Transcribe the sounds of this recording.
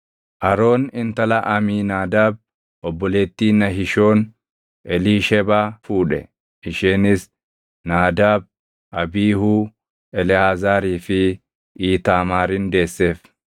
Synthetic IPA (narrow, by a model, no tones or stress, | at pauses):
ʔɐɾo̞ːnɪnt̪ɐlɐʔɐmiːnaːd̪aːb̚ | ɔbːɔle̞ːt̪ːiːnɐɦɪʃo̞ːn | ʔɛliːʃɛbaːfuːᶑɛ̰ | ɪʃeːnɪs | naːd̪aːb̚ | ʔɐbiːhuː | ɛlɪhaːzaːɾiːfɪ | ʔiːt̪aːmaːɾɪnd̪e̞ːsːe̞ːf